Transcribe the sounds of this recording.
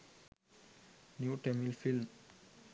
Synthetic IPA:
njuːʈɛmilfilm

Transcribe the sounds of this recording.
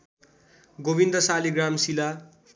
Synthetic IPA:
ɡobind̪ʌsaliɡramsila

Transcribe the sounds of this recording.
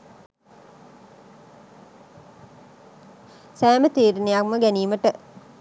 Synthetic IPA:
sæːmət̪iːɾinejakməɡæniːməʈə

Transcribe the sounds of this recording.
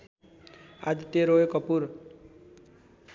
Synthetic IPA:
a̰d̪it̪eɾoekʌpuɾ

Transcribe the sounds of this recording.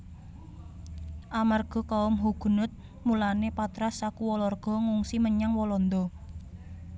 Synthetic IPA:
ʔamarɡ̥ɔ̤kaʊmɦuɡ̥ṳnʊt̪̚ | mulanepat̪ɾasakuwɔlɔrɡ̥ɔ̤ŋuŋsiməɲaŋwɔlɔnd̪ɔ

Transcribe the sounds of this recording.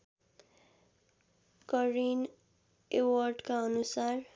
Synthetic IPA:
kʌrin | ewʌrɖkaʌnusar

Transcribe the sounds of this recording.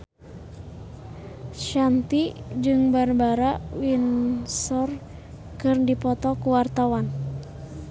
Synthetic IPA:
ʃant̪id͡ʒɨŋbarbaɾawinsɔr | kɨrdipɔt̪ɔkuwart̪awan

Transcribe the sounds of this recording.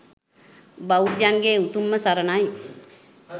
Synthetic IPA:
baud̪janɡeːut̪umːəsaɾənaj

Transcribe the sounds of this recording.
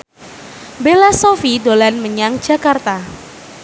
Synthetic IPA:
belasofidolanməɲaŋ̥d͡ʒa̤kart̪a

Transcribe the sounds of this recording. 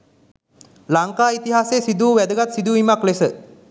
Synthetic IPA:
laŋkaːit̪iɦaːseːsid̪uːʋæd̪əɡat̪sid̪uːimaklesə

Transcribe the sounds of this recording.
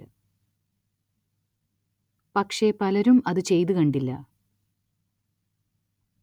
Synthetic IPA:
pɐkʂe̞pɐlɐɾumɐðɨt͡ɕe̞jt̪̬ukɐɳɖilːɐ̰

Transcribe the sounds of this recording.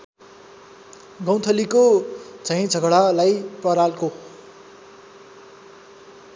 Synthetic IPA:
ɡʌw̃t̪ʰʌlikod͡zʱʌĩd͡zʱʌɡɽalajpʌɾalko

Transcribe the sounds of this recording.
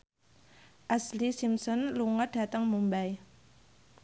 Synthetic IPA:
ʔaslisimsɔnluŋəd̥a̤t̪əŋmumbaj

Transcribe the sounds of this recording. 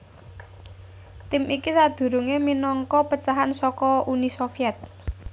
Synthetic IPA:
t̪ɪmikisad̪̥ṳɾuŋeminɔŋkɔpət͡ʃaɦansɔkɔunisofiɛt̪̚

